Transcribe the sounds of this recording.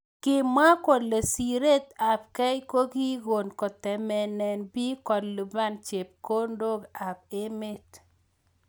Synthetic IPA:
kɪ˦˨ma˦ko˨dle˨si˨ɾe˦ta˨p̚kɛ˦jko˦ɡi˦ɡo˨nkɔ˨tɛ˨mɛ˨nɛ˨nbi˦kɔ˨dlu˨ba˦˨nt͡ʃe˨p̚ko˦ndo˦ɡa˨b̚e˦me˦t

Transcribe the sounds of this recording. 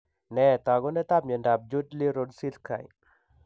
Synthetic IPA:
nɛ˨t̪a˨ɡɔ˦nɛ˦t̪a˦b̚ɲɔ˨nda˨b̚d͡ʒu˦dli˦ɾodsi˦lkʰa̰˨j

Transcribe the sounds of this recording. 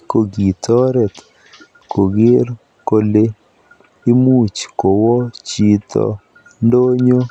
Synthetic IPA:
ko˨ɡi˨t̪ɔ˦ɾɛ˨t̪ | ko˨ɡɪ˦ɾ | ko˦le˦ | ɪ˦mu˦t͡ʃko˨wɔ˦t͡ʃi˦˨t̪ʰɔ̰˨ | ndo˦ɲo˦

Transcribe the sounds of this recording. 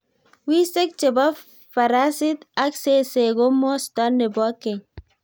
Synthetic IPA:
wi˦se˦k̚t͡ʃe˨ba˦ | fa˨ɾa˦si˦t̪a˦kse˦se˨ɡo˦mɔ˦st̪a˦nːe˨bɔ˦kːe˨

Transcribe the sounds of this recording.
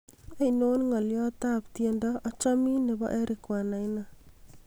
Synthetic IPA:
a˦ino˦nŋɔ˨ljɔta˦ptjendɔ˦ʔːt͡ʃɔ˦mi˦ne˨bɔ̰˦ʔɛ˦ɾʔɪ˨kwa˨na˨jna˦

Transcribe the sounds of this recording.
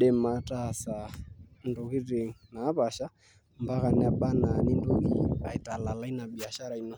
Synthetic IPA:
ɗɛ˦ma˨ta˦˨sa˨ndo˨ɣi˦ɾe˨ŋ̩˨naː˨˦pa˨ʃa˦ | mba˦ka˨nɪ˦a˨ɓa˦na˨ni˦ndo˦ki˦a˨i˨ta˨la˨la˦i˦na˨ɓi˨a˨ʃa˦ɾa˨i˦nɔ˦

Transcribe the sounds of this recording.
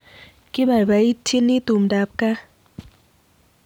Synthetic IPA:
ki˦ba˨ba˨˦i˦tʰi˦nːi˦t̪u˨mda˨˦p̚ka˦

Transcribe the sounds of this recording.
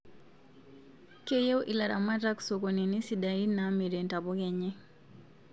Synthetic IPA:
ke˦je˦wʔi˨la˨ɾa̰˨ma˦ta˦ksɔ˨ko˨ni˨ni˦sida˨i˦nami˨ɾɛ˨nta˨bɔ˦kɛ˨ɲɛ˦

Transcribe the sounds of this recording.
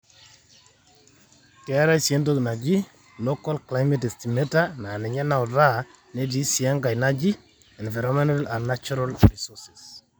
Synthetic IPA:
kɛ˦ɾa˦jsje˦nto˦kna˨d͡ʒi˦ | lo˦ka˦lkla˦jme˦te˨sti˨metana˨nɛ˨ɲɛ˦na˨ɔ˨ɾa˦ | ne˦di˦si˨a˦ŋɡa˨jna˦d͡ʒi˦ | ɛ˨nva˨ɾɔmɛ˦ntala˨nnat͡ʃɔɾalrisɔsi̥s

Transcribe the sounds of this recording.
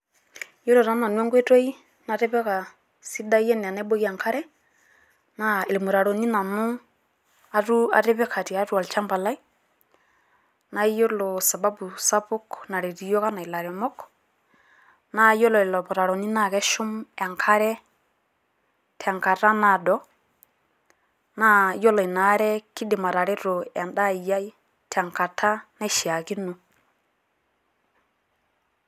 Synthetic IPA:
jo˦lɔ˨ɾa˦na˨nwɛ˦ŋɡɛ˦to˦i˦ | na˨ɾɛ˦βɛ˦ka˨ | si˦da˦jɛ˦n˨na˦i˦bo˦ki˦a˨ŋkʰa˦ɾɛ˦ | na˨e˨li˨mu˨ɾa˨ɾo˨ni˦na˨nu˦ | a˦tu˦a̰˨ɾɛ˦βɛ˦kʰa˨ti˨a˨˦tu˦a˨lt͡ʃa˦mba˨la˦i˦ | na˨˦jo˦lɔ˨sa˨ba˦bu˨sa˦pʊ˦kna˨ɾe˨ti˨jɔ˦ka˦na˨i˨la˨ɾɛ˨mɔ˦k | na˦jo˦lɔ˨lɔ˨bɔ˨ɾa˨ɾo˨ni˦na˦˨kɛ˦ʃu˦mɛ˨ŋkʰa˦ɾɛ˦ | tʰɛ˨ŋka˨ɾa˦na˨dɔ˦ | na˦jo˦lɔ˨i˨na˨ɾɛ˦ki˦di˨ma˨ɾa˨ɾe˦ɾo˨ɛ˨nda˦˨ja˦ji˦ | tʰɛ˨ŋka˨tʰa˦ne˦ʃi˨a˨ki˦nu˨

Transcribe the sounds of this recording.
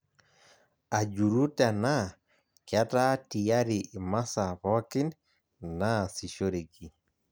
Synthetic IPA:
a˨d͡ʒu˨ɾu˦ta˨na˦ | kja˦ta˦ti˨ja˦ɾi˨ʔma˦sa˨βɔ˦ki˦n | na˦˨si˨ʃo˦ɾe˨ɡi˨

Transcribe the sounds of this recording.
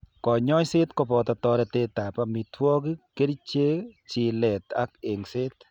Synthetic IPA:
kɔ˨ɲɔ˦jse˦t̪kɔ˧pɔ˧t̪ɔ˧t̪ɔ˧ɾɛ˧t̪e˧t̪a˨pa˧mi˧twɔ˦k̬i˦ke˦ɾi˦t͡ʃe˦t͡ʃi˨lɛ˨t̪a̰˦k̚e˨ŋse˦t̪̚

